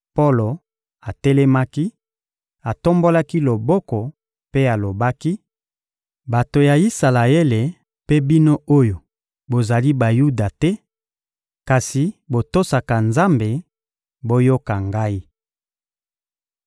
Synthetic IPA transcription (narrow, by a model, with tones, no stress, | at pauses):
po˦lo˨ | a˨tɛ˦lɛ˦ma˦ki˦ | a˨to˦mbo˦la˦ki˦lo˨bɔ˦kɔ˨ | pe˦a˨lo˨ba˦ki˦ | ba˨to˨ja˨i˦sa˨la˨e˦le˨ | pe˦bi˦no˦o˦jo˨ | bo˨za˨li˦ba˨ju˦da˨tɛ˦ | ka˨si˨bo˨to˦sa˨ka˨nza˦mbe˨ | bo˦jo˦ka˨ŋɡa˦i˦